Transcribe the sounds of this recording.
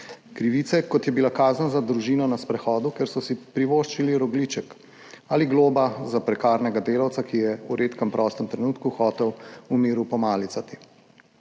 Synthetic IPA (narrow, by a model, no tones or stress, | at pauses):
kɾiʋiːt̪sɛkɔt̪jɛbilakaːznazad̪ɾuʒiːnɔnaspɾɛxɔːd̪ukeɾsɔsipɾiʋoːʃt͡ʃiliɾɔɡlit͡ʃɛk | aliɡloːbazapɾɛkaːɾnɛɡad̪eːlawt̪sakijɛuɾʔeːt̪kɛmpɾʔɔst̪əmt̪ɾɛnuːt̪kuxɔːt̪ɛwumiːɾupɔmaːlit̪sat̪i̥